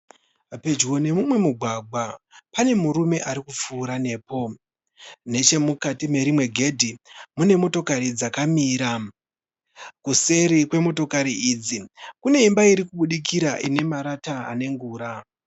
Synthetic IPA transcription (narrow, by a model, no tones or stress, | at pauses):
pe̞d͡ʒɣo̞ne̞mumwe̞muɡʱwaɡʱwapane̞muɾume̞ʔaɾikup͡fuːɾane̞ːpo̞ | ne̞t͡ʃe̞mukatime̞ɾimwe̞ɡʱe̞dʱimune̞mo̞to̞kaɾid͡zakamiːɾa | kuse̞ɾikwe̞mo̞to̞kaɾiid͡zikune̞imbaiɾikuɓuɗik̬iɾaʔine̞maɾataa̰ne̞ŋɡuːɾa